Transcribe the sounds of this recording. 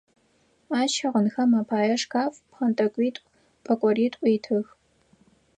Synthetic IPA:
aːʃɐʁənxɐmaːpʰaːjɐʂkʰaːfpχɐntʼɐkʷʼiːtʼʷ | pʼɐkʷʼɔriːtʼiːtʰɨx

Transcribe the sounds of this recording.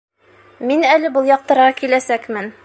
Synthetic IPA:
minælɘbɤlˠjɒq̚t̪ɤ̆ɾʁɑkilæsækmɘn

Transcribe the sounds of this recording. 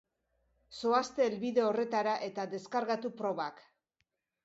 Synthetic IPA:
so̞ast̪e̞ːlβiðe̞o̞re̞t̪aɾaʔe̞t̪aðe̞skaɾɣat̪upɾo̞βak

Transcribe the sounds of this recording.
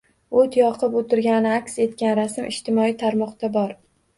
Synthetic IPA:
ot̪ʰjɒqʰɨpot̪ʰɪɾɡʲanɪakʲse̞t̪̚kʲanɾasɪmʔɪ̰ʃt̪ʰɪmɒit̪ʰaɾmɒqd̪abɒɾ

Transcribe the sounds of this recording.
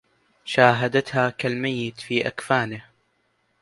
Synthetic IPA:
ʃaːɦad̪at̪haːkalmajːɪt̪fiːʔakfaːnɪh

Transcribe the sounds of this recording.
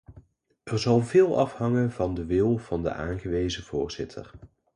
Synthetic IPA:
ʔɛɹzɑlˠvɪːlˠɑfhɑŋənvɑndəʋɪlˠv̥ɑndə̰ʔa̰ːnχəʋejzəv̥ʊːɹz̥ɪtʰə̰r

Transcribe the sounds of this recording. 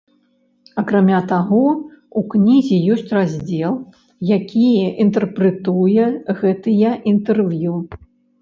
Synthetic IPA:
ɐkɾamʲat̪aɣɔuknʲizʲijɔsʲt͡sʲrazʲd͡zʲɛlˠ | jakʲijɛʔint̪ɛrpɾɛt̪ujɛɣɛt̪ɨjɐʔint̪ɛrvju

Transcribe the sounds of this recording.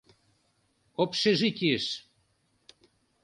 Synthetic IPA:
opʃeʒikʲieʃ

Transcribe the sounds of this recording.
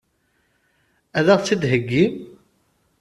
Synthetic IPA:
æðæʁt͡sːid̪ɦəɡːim

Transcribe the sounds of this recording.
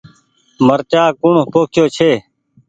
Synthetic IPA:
məɾt͡ʃaːkʊɳpoːkʰɪjoːt͡ʃʰeː

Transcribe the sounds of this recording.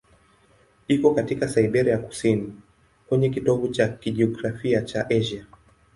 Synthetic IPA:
ikɔkatikasaiɓɛɾiaku̥sini | kwɛɲɛk̬itɔvut͡ʃakiʄiɔɡɾafiat͡ʃaʔɛʒa

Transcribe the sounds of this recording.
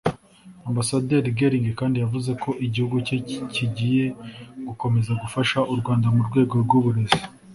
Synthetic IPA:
ambasade̞ːɾɡe̞ɾiŋɡekaːndijavuze̞kʰo̞ʔiɟihuɡuceciɟiːje̞ɡuko̞me̞zaɡufaʃaʔuɾɡwaːndamuɾɡwe̞ːɡo̞ɾɡuβuɾe̞zi

